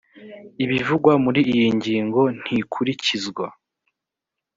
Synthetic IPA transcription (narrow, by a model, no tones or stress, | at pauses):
iβivuɡwamuɾiːjiɲɟiːŋɡo̞n̥hikʰuɾicizɡwa